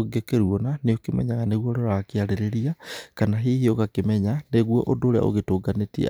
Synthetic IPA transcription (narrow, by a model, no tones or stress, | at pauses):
ɡekeɾuɔnaneokemɛ̰ɲaɣaneɣwoɾoɾakeaɾeɾeɾiakanaɦihioɣakemɛɲaneɣwɔ̰ʔondoɾea̰ʔo̰ɣetoːɡanetḭ